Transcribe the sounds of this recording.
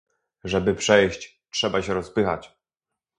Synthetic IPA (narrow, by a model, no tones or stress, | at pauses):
ʐɛbɘpʂɛjɕt͡ɕ | tʂɛbaɕɛɾɔspɘxa̰t͡ɕ